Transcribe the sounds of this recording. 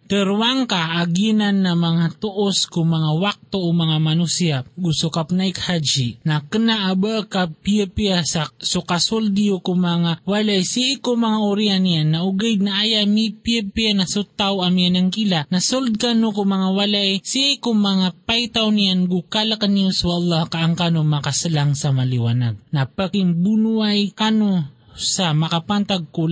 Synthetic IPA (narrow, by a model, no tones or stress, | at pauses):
t̪əɾwaŋkaʔːɡinanːamaŋat̪oʔoskʊŋmaŋawak̚t̪oomaŋamanusiaɡusʊkapnajkhad͡ʒinakənaʔabəʔkapiəpiasasʊkasuld̪ijokʊmaŋawalaʔesiikʊŋmaŋaʊɾianijanːaʔuɡajd̪̚naʔajamipiapianasʊt̪awʔamjanaŋkilaʔnasold̪̚kanokomɐŋawalaʔesiikoŋmɐŋapajt̪awnijanɡukalakanioswaʔlˠˤːɑhkaʔːŋkanomakasalaŋsamaliwanaɡ̚napakɪŋbunuajkano | samɐkapant̪aɡ̚ko